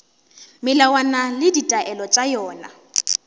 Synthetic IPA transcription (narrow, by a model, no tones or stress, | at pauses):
mɪlawanalɪditʼaʔɛlɔt͡ʃʼajɔːna̰